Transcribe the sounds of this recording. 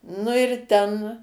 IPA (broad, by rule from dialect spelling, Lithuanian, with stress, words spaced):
nʊ ɪr ˈtʲɛn